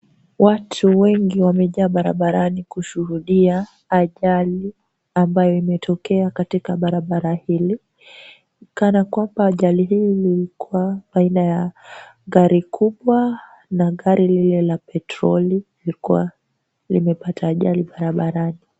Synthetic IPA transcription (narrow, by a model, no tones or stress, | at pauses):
watʰuwɛŋɡiwamɛʄaːɓaɾa̰ɓaɾanikuʃuhuɗiaː | ʄali | ambajɔimɛtʰɔkɛakatikaɓaɾaɓaɾahili | kanakwambaːʄaliɦilililikuwaɓainajaɣaɾikʰuɓwa | naɣaɾʔililɛlapɛtɾɔli | likuwa̰ | lḭmɛpatʰaːʄaliɓaɾaɓaɾani